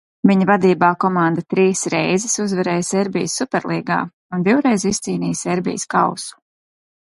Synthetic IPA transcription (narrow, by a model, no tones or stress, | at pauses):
viɲvad̪iːbaːkɔmand̪at̪ɾiːsɾɛjzɪsuzvɛɾɛːjsɛɾbʲḭjəsːupʲɛɾlˠiːɡa̰ː | und̪iwɾɛjzist̪siːniːseɾbʲḭjskawsu̥